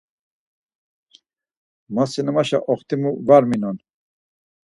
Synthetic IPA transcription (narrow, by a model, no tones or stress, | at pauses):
masinəmaʃa̰ʔɔχt̪imuvaɾminɔn